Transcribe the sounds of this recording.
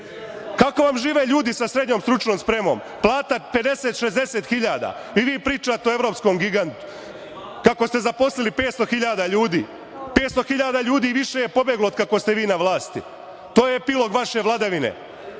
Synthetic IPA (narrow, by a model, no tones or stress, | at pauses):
kako̞ʋamʒiːʋeːʎuːd̪isasɾed̪ɲo̞ːmst̪ɾut͡ʃnoːmspɾe̞mo̞̰m | plˠaːt̪ape̞d̪e̞set̪ʃezd̪e̞set̪xiʎaːd̪a̰ | ʋiʋiːpɾiːt͡ʃaːt̪eoe̞ʋɾo̞psko̞mɡiɡant̪u̥ | kako̞st̪e̞zapo̞slilipeːt̪st̪o̞xiʎaːd̪aʎuːd̪iː | peːt̪st̪o̞xiʎaːd̪aʎuːd̪iːʋiʃe̞jepo̞bjeɡlood̪̚kakost̪e̞ʋiːnaʋlˠaːst̪i | t̪oːjeepilo̞ɡʋaʃe̞ʋlˠad̪aʋinḛ